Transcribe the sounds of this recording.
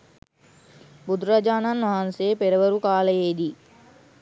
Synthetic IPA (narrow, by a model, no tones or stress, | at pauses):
bud̪uɾad͡ʒaːnanʋaɦansejəpeɾəʋəɾukaːləjeːd̪iː